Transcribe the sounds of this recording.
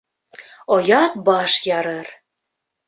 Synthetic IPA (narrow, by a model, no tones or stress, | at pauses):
ojɑt̪̚bɑʃjɑɾɤr